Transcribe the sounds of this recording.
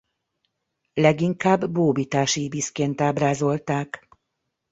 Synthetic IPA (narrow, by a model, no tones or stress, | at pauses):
lɛɡiŋkaːbːoːbit̪aːʃiːbiskeːnt̪aːbraːzo̞lt̪aːk